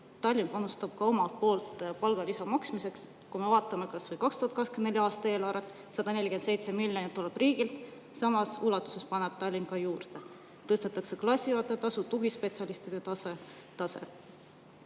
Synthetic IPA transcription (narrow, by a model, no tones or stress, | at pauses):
t̪ɑlʲːinpɑnust̪ɑb̥kɑo̞mɑpo̞ːlt̪pɑlɡ̥ɑlisɑmɑksmise̞ks | kume̞vɑːt̪ːˑɑme̞kɑsvɤjkɑkst̪uhɑt̪kɑkskemnd̪elʲjɑːst̪ɑe̞ːlɑɾet̪ːˑ | sɑd̪̥ɑne̞lʲiked̪se̞jt̪se̞milʲjonit̪ːuleb̥riːɡ̥ilt̪ | sɑmɑsulɑt̪ːˑu̥se̞spɑneb̥̚t̪ɑlʲːinkɑjuːrd̪̥e̞ | t̪ɤst̪et̪ːˑɑkse̞klɑsʲːiɑt̪ːˑet̪ɑsut̪uɡ̥ispe̞t̪siɑlist̪id̪̥e̞t̪ɑse | t̪ɑsḛ